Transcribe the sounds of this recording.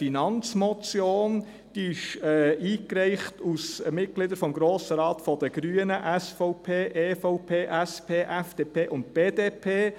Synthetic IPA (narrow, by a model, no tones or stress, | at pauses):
finɑnt͡smɔt͡sjoːn | d̥iɪʃɛːiːkɾɛɪχtusmɪt̚ɡ̥lɪdəɾfɔmɡɾoːsəɾɑːtfɔd̥əɡ̥ɾyənəʔæsfɔʊpʰeːʔefɔʊpʰeːʔɛspʰeːʔæfd̥eːpʰeːʔʊnt̚b̥eːdeːpʰeː